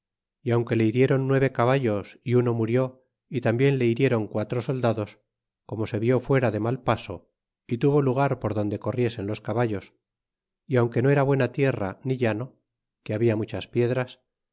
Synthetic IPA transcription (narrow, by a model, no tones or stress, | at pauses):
iawŋke̞le̞iɾje̞ɾo̞nːwe̞β̞e̞kaβaʎo̞siuno̞muɾjo̞ | it̪ambje̞nle̞iɾje̞ɾo̞ŋkwat̪ɾoso̞ld̪aðo̞s | ko̞mo̞se̞βjo̞fwe̞ɾaðe̞malpaso̞ | it̪uβo̞luɣ̞aɾpo̞ɾðo̞nd̪e̞ko̞rje̞se̞nlo̞skaβaʎo̞s | iawŋke̞no̞e̞ɾaβwe̞nat̪je̞raniʎano̞ | keaβiamut͡ʃaspje̞ðɾas